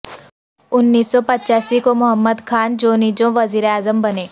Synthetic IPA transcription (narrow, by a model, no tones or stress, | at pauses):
ʊnːiːsːɔpɐtːʃaːsikomʊɦəmːəd̪kʰaːnd͡ʒoːnid͡ʒõʋɐziːɾeaːzəmbɐneː